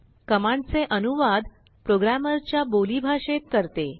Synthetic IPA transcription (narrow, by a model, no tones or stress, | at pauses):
kəmãɳt͡seʔənuʋad̪ | pɾoɡɾaməɾt͡ɕjabolibʱaʂet̪kəɾt̪e